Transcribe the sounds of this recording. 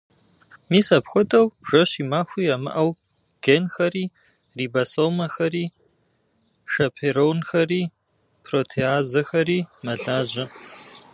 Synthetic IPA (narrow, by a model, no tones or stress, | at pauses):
miːsɐpxʷɔtʰɐwʒ̥ʷɐɕiːmaːxʷiːamɨ̰ʔɐw | ɡ̥enxɐɾiː | riːbɐsowmɐxɐɾiː | ʃɐpʰeɾownxɐriː | pʰrotʰeaːzɐxɐɾiːmɐɮaːʑɐ